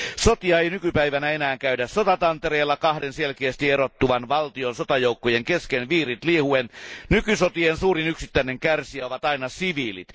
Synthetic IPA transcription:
sot̪iɑeijnykypæiʋænæenæːŋkæydæssot̪ɑt̪ɑnt̪ereːlːɑkɑhdenselkeæst̪ierot̪ːuʋɑnʋɑlt̪ionsot̪ɑjoukːojeŋkeskenʋiːrit̪liehuennykysot̪iensuːrinyksit̪ːæineŋkærsiæoʋɑt̪ɑinɑsiʋiːlḭt̪

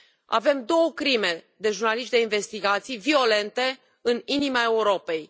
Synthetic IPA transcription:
a̰ve̞md̪o̞wəkɾime̞ | d̪e̞ʒurnaliʃt̪d̪e̞inve̞st̪iɡat̪sijvio̞le̞nt̪e̞ | ɨninimae̞uɾo̞pe̞j

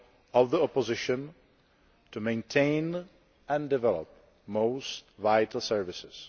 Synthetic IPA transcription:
ɔvðiɔpɔzɪʃə̃n | tumẽɪ̃ntʰẽɪn | ʔɛ̃ndɪvɛlo̰p̚ | moʊstvajtl̩ˠsɛɹvɪsɪs

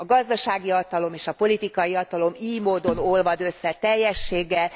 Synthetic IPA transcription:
ɒɡɒzd̪ɒʃaːɡiɒt̪ɒlo̞meːʃɒpo̞lit̪ikɒjiɒt̪ɒlo̞miːjmoːd̪o̞no̞lvɒd̪ø̞sːɛt̪ɛjːɛʃːeːɡɛl

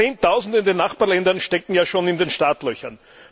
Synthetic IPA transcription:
eːntʰaʊzn̩dəɪndeːnːaχb̥aːɐlɛndɐnʃtɛkŋ̩jaːʃoːnɪndeːnʃtaːtlœçɐn

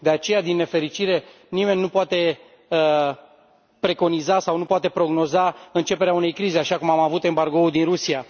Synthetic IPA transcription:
d̪e̞at͡ʃe̞jad̪inːe̞fe̞ɾit͡ʃiɾe̞ | nime̞nʲːupoat̪e̞ | ə | pɾe̞ko̞nizasawnupoat̪e̞pɾo̞ɡno̞zaɨnt͡ʃe̞peɾeaune̞jkɾize̞aʃakumamavut̪e̞mbaɾɡo̞ud̪inɾusia

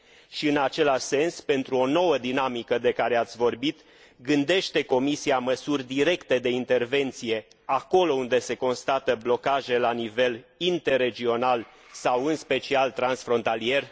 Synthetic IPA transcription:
ʃiɨnat͡ʃe̞laʃse̞nspe̞nt̪ɾuono̞wəd̪inamikəd̪e̞kaɾe̞at̪sʲvo̞rbit̪ | ɡɨnd̪e̞ʃt̪e̞ko̞misiaməsurʲd̪iɾe̞kt̪e̞d̪e̞int̪e̞rve̞nt̪sije̞ | ako̞lo̞und̪e̞se̞ko̞nst̪at̪əblo̞kaʒe̞lanive̞lint̪e̞rːe̞d͡ʒio̞nal | sawɨnspe̞t͡ʃialt̪ɾansfɾo̞nt̪alie̞r

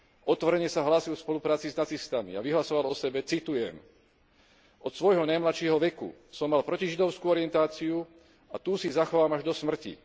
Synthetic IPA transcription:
ʔɔt̪ʋɔɾɛɲɛsaɦlaːsilfspɔlupɾaːt͡siznat͡sist̪anḭaʋiɦlasɔʋalɔsɛbɛt͡sit̪ujɛ̰m | ɔt̪sʋɔjɦɔnajmlaʃɪɛɦɔʋɛkṵsɔmːalpɾɔciʒid̪ɔʊskuɔɾɪɛnt̪aːt͡siu | at̪uːsizaxɔʋaːmaʒd̪ɔsmr̩cḭ

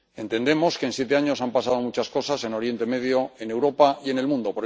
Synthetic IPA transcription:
ẽ̞nt̪e̞nd̪e̞mo̞skensje̞t̪̬e̞aɲo̞sampasað̞o̞mut͡ʃasko̞sase̞no̞ɾje̞nt̪eme̞ðjo̞e̞newɾo̞paie̞ne̞lmũnd̪o̞poɾ

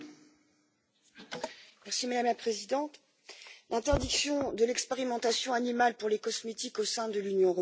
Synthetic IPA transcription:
mɛʁsimad̪amlapχezid̪ɑ̃t̪ | lʔɛ̃t̪ɛʁd̪iksjɔ̃d̪əlɛkspeʁimɑ̃t̪asjɔ̃animalpuʁlekɔsmet̪ikosɛ̃d̪əlynjɔ̃øʁɔ

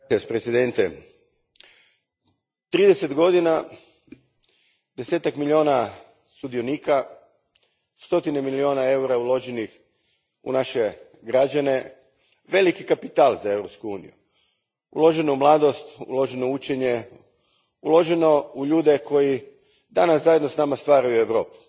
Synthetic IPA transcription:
aspɾesid̪e̞nt̪e | t̪ɾiːd̪ese̞t̪ɡo̞d̪ina | d̪e̞seːt̪akmilʎʲio̞ːna | sud̪ijo̞niːka | st̪o̞t̪ine̞milio̞ːnae̞uɾaulˠo̞ʒenix | ṵnaʃe̞ | ɡɾad͡ʑane̞ | ʋe̞likikapit̪aːlˠzae̞ʋɾo̞pskuuːnḭjṵ | ṵlo̞ʒenoumlˠaːd̪o̞st̪ṵlo̞ʒenout͡ɕe̞ɲe̞ | ulˠo̞ʒe̞nouʎuːd̪e̞ko̞ji | d̪anaszajed̪no̞snamast̪ʋaːɾajue̞ʋɾo̞ːpu̥

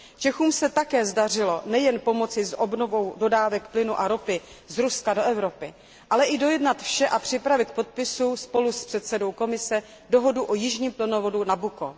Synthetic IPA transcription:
t͡ʃɛxuːmsɛt̪akɛːzdar̝ɪlo̞nɛjɛnpo̞mo̞t͡sɪzʔobnovo̞wdo̞daːvɛkplɪnuʔaɾopɪ | zɾuskado̞ʔɛvɾo̞pɪ | ʔalɛʔɪdo̞jɛdnat̪fʃɛʔapr̝̥ɪpɾavɪt̪̚k̚po̞t̪̚pɪsuspo̞luspr̥ɛt̪sɛdo̞wko̞mɪsɛ | do̞ɦo̞duʔojɪʒɲiːmplɪnovo̞dunabuko

